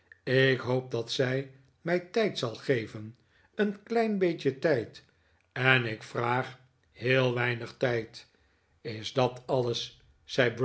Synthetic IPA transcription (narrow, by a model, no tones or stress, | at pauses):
ɪkɦoʊp̚dɑtsɛj | mɛjtɛjtsɑlˠχejvən | ənklɛjnbejcətɛjt | ɛnɪkfraːχ | hɪːlˠʋɛjnəχtɛjt | ɪzdɑtɑləsː | ɛjbɹ